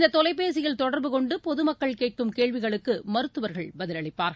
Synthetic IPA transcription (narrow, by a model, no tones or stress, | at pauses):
nd̪ɐt̪ɔlɐɪpːeːs̬ɪjɪlt̪ɔɽɐɾbɯkɔɳɖɯpɔðɯmɐkːɐɭkeːʈ̚kɯmkeːɭʋɪɣɐɭɯkːɯmɐɾɯt̪ːɯʋɐɾɣɐɭbɐðɪlɐɭɪpːaːɾɐ